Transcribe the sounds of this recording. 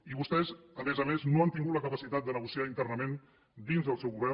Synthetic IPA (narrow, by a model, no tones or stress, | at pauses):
iβust̪ɛzəmezəmeznoant̪iŋɡut̪ləkəpəsit̪at̪̚d̪ənəɣusiaint̪ərnəmẽn | d̪inzðəlˠsɛwɣuβɛ